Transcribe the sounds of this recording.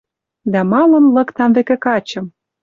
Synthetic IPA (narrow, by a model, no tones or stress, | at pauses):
d̪æmɑlə̆mlɤ̆kt̪ɑmvekĕkɑt͡ɕɤ̆m